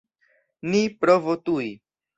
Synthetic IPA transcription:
nipɾovotuj

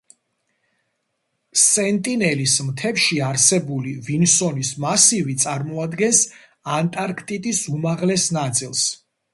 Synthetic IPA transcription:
sɛnt̪ʼinɛlismt̪ʰɛfʃiaɾsɛbulivinsɔnismasivit̪sʼaɾmɔad̪ɡɛns | ant̪ʼaɾkʰt̪ʼit̪ʼisumaʁlɛsnat̪sʼilˠs

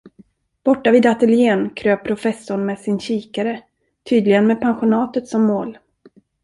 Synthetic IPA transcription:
b̥ɔʈːaviːd̪at̪əljeːnkʰɾøːpʰɾʊfɛsːʊɳmɛːsɪnɕiːkaɾə | t̪ʰyːd̪lɪɡənmɛːd̪̚pʰanɧʊnɑːt̪ət̪sɔmːoːl

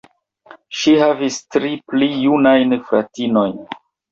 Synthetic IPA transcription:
ʃihavistɾiplijunajnfɾa̰tino̞jn

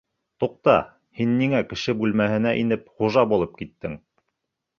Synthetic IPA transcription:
t̪uq̚t̪ɑ | hinːiŋækɘ̆ʃɘbʉlmæhɘ̆næʔinɘpχuʒɑbulˠɤp̚kit̪ːɘŋ

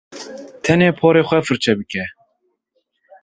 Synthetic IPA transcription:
t̪ʰɛneːpʰɔːɾeːxʷɛfɨɾt͡ʃʰɛbɨkʲɛ

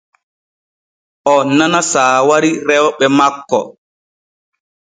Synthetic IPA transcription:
ʔɔnanasaːwaɾiɾɛwɓɛmakːɔ̰

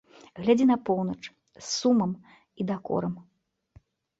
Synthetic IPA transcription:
ɣlʲad͡zʲinɐpɔwnɐt͡ʂ | sːumɐm | id̪akɔ̰ɾɐm

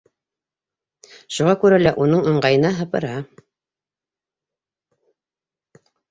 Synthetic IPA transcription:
ʃuʁɑkʉɾælæʔunɤɴɤ̆ɴɢɑjɤ̆nɑɦɤ̆pɤ̰̆ɾɑ

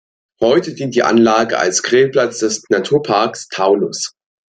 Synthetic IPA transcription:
hɔʏtədiːnt̚d̥iːʔa̰nlaːɡə̰ʔa̰lsɡ̥ʁeːplat͡sd̥ɛsnatʰuːɐpʰaɐkstʰaʊlʊs

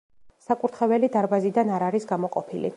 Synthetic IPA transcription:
sakʼuɾt̪ʰχɛvɛlid̪aɾbazid̪anaɾaɾisɡamɔqʼɔpʰilḭ

